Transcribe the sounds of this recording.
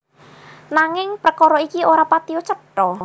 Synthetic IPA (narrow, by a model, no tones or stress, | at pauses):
naŋɪŋpɾəkɔɾɔikioɾapat̪iɔt͡ʃəʈɔ